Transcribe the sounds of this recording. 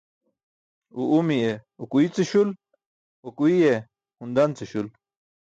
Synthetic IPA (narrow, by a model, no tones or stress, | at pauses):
uʔumieokuit͡seɕul | okuije | hund̪ant͡seɕul